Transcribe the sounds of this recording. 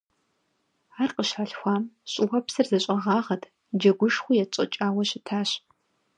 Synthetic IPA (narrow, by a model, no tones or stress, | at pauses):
aːrqʼəɕħaɬxʷɑːmɕʼɪʁɐpsɨrzɐɕʼɐʁɑːʁɐtʰ | d͡ʒɐɡʷʊʂxʷʊjɛt͡ʃʼɐ̰t͡ʃʼaːwɐɕɪtʰaːɕ